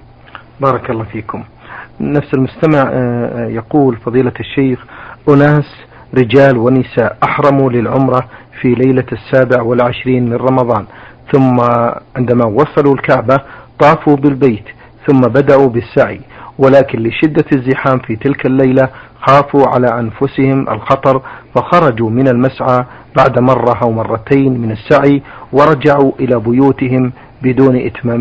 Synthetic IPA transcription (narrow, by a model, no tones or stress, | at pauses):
bɑːɾˤɑkɑlˤːɑːfiːkʊmnafsalmʊst̪amaʕjɑquːlfɑðˤiːlaʃːejxʔʊnaːs | ɾɪd͡ʒaːlwɪnːɪsaːʔʔaħɾˤɑmulɪlʕʊmɾˤɑ | filajlasːaːbɪʕwɪlʕɪʃɾiːnmɪnˤɑmɑðˤɑːnθʊmːaʕɪnd̪amawɑsˤɑlulkaʕbat̪ˤɑːfubɪlbeːt̪ | θʊmːabad̪aʔubɪsːaʕḭwɪlaːkɪnlɪʃɪd̪ːazːɪħaːmfit̪ɪlkalːajlaxaːfuʕa̰laʔanfʊsɪhɪmʔa̰lxɑt̪ˤɑɾˤfaxɑɾˤɑd͡ʒumɪnalmasʕaː | baʕd̪mɑrˤːɑʔawmɑrˤːɑt̪aːnmɪnasːaʕiwɪɾˤɑd͡ʒaʕuʔɪlabʊjuːt̪ɪhɪm | bɪd̪uːnʔɪ̰t̪maːm